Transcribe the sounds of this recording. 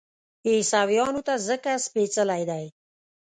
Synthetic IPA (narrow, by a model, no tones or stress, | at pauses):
esawjɑnut̪azəkaspet͡səlajd̪aj